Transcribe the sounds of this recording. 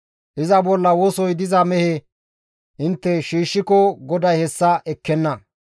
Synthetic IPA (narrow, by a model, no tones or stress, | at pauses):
ʔɪzɐbɔlːɐwɔsɔjd̪ɪzɐmɛhe | ʔɪnt̪ːɛʃiːʃːɪkɔɡɔd̪ɐjhɛsːɐʔɛkːɛnːɐ